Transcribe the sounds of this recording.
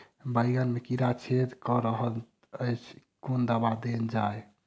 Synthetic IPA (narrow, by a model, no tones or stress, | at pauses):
bəjɡənmekiɾat͡ʃʰed̪kɔɾəɦəl | əjt͡ʃʰ | kond̪əbad̪end͡ʒae